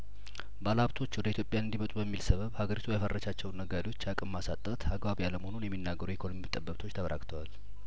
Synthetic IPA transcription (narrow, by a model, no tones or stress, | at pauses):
balaβt̪ʰo̞t͡ʃːwɔd̪əit̪jo̞pʼjanɨnd̪imət̪ʼubəmːilsəβəβhaɡəɾit̪ʰujafərːəʃat͡ʃːɛwnːəɡad̪iwo̞t͡ʃːakʼɨmːasat̪ʼːət̪aɡbaβijaləməhonunjɛmːinːaɡəɾuekʰonomimɨt̪ʼəbːət̪ʰo̞t͡ʃːt̪ʰəβəɾʔa̰kʼt̪ʰəwal